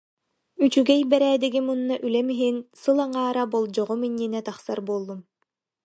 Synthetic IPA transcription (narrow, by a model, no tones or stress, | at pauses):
yt͡ɕyɡɛjbɛɾæːd̪iɡimunːaʔylɛmiɦinsɯlˠaŋaːɾabɔlˠd͡ʑɔʁumiɲːinɛt̪aχsaɾbuɔlˠːum